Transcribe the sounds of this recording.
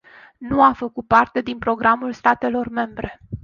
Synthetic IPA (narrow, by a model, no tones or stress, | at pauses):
nuafəkut̪̚part̪e̞d̪inpɾo̞ɡɾʔamulst̪at̪e̞lo̞rme̞mbɾe̞